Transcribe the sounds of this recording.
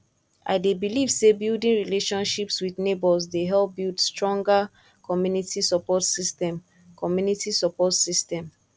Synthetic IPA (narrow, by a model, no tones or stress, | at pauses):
ʔa̰ɪdebiliv̥sebildĩnɹileʃɔ̃nʃipswidnebɔzdeɦɛlp̚bildstɹɔ̃ŋɡa | kʰɔmjunitʰisɔpɔtsistɛ̃m | kʰɔmjunitisɔpɔtsistɛ̃m